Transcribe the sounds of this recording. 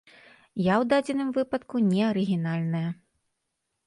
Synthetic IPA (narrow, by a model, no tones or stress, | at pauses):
jawd̪ad͡zʲɪnɨmvɨpɐt̪kunʲɛɐɾɨɣʲinalʲnɐjɐ